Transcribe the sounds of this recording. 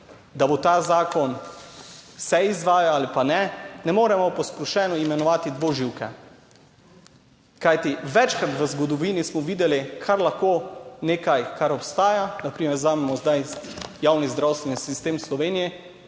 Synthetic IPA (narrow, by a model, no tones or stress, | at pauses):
d̪abot̪aːzaːkɔn | sɛizʋaːjaalipanɛnɛmoːɾɛmɔpɔspɾɔʃɛːnɔimɛnɔʋaːt̪id̪ʋoʒiwkɛ̰ | kajt̪iʋɛt͡ʃkɾat̪ʋəzɡɔd̪ɔʋiːnismɔʋiːd̪ɛlikʰaɾlaxkoːneːkajkaɾɔpst̪aːjanapɾiːmɛɾzaːmɛmɔzd̪ajjaːwnizd̪ɾawst̪ʋɛnisist̪eːmslɔʋeːnijɛ